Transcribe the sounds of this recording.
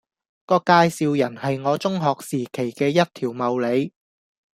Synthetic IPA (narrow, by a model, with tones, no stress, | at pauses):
kɔː˧kaː˧jsiː˨˧wjɐ˨˩nhɐ˨jŋɔː˨˧t͡sʊ˥ŋɦɔː˨k̚siː˨˩kʰe˨˩jkɛː˧jɐ˥t̚t̪ʰiː˨˩wmɐ˨wle˨˧j